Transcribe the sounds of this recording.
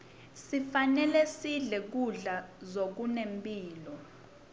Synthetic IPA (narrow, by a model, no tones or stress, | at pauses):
sifanɛlɛsiɮɛk̬uɮazok̬unempʼiːlɔ